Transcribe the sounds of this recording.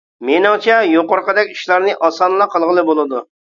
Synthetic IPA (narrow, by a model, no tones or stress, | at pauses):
menɪŋt͡ʃʰɛjoqʊɾqəd̪ɛkʲi̥ʃlˠɑɾnɨʔɑsɑnlˠɑqʰɑlˠʁəlˠɨbolˠɨd̪u